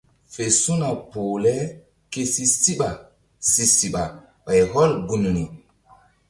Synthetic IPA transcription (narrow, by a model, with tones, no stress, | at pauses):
fe˨su˦na˨po˨lɛ˦ | ke˦si˦si˦ɓa˨ | si˨si˨ɓa˨ | ɓa˨jɦɔ˦lɡu˨nu˨ni˨